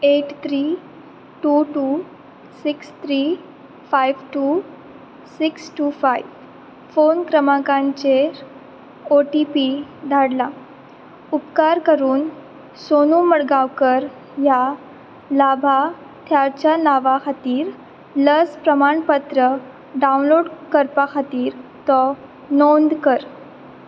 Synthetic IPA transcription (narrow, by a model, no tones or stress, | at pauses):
eʈt̪ʰɾi | ʈuʈu | sikst̪ʰɾiː | fajʋʈu | siksʈufajʋ | fonkɾəmakãɲt͡ɕeɾ | oʈipid̪ʱaɽla | upkaɾkəɾuːn | sonuməɽɡaʋkəɾ | ja | labʱa | t̪ʰjat͡ɕanaʋakʰat̪iːɾ | ləspɾəmaɳpət̪ɾə | ɖaunloɽkəɾpakʰat̪iːɾt̪ɔ | nond̪kəɾ